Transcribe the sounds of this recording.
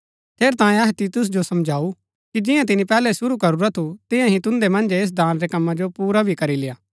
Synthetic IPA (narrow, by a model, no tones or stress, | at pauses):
t̪ʰeːɾt̪ãːẽɐɦɛt̪iːt̪ʊs̬d͡ʒosɐmd͡ʒʱaːu | kid͡ʒɪ̃jãt̪̬ɪnipɛːlɛsʊɾukɐɾuɾat̪ʰut̪ɪ̃jãɦĩt̪ʊ̃nd̪emɐ̃nd͡ʒeeːs̬d̪ʱaːnɾekɐmːãd͡ʒopuːɾabʱikɐɾilɪjaː